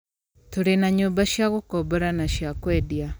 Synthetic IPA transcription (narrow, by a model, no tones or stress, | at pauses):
toɾenaɲoːmbaʃjaɣokobɔɾanaʃjakweːdia